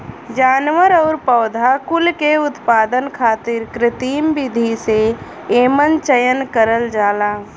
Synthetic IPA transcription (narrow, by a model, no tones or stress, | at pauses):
d͡ʒaːnʋəɾɔʊɾpəːd̪ʱakʊlkeʊt̪paːd̪ənkʰaːt̪ɪɾkɾɪt̪iːmbɪd̪ʱise | eːmənt͡ʃəjənkəɾəld͡ʒaːlaː